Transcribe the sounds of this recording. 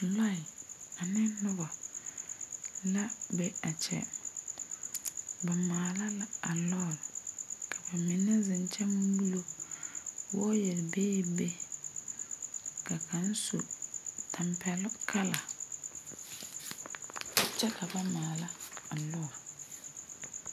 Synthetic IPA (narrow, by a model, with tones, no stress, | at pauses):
la˦˨ɪ˨a˨nɪ˦nʊ˦ba˨ | la˦bɛ˦a˨t͡ʃɛ̰˦ | ba˨maː˨la˦la˦a˨lɔ˦˨lkʰa˨ba˨mɪ˨nɛ˦zɪ˨n˦t͡ʃʰɛ˦m˦wu˦lo˦ | wɔ˦jɛ˨lbeː˦be˦ | ka˨kʰa˨˦n˦su˨tʰa˨mpʰɛ˨lkʰa˦la˨ | t͡ʃɛ˦ka˨ba˨maː˨la˦a˨lɔ˦˨l